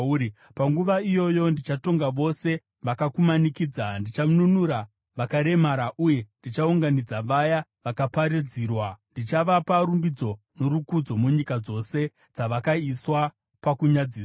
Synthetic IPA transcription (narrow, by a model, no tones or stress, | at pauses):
i | paŋɡuʋaijo̞jo̞ndit͡ʃato̞ŋɡaʋo̞se̞ | ʋakakumanikiːd͡zandit͡ʃamununuɾa | ʋakaɾe̞maɾaʔuje̞ndit͡ʃauŋɡanid͡zaʋajaʋakapaɾid͡ziːrwandit͡ʃaʋapaɾumbid͡zo̞ | no̞ɾukud͡zo̞muɲikad͡zo̞se̞ | d͡zaʋakaiswa | pakuɲad͡ziːsa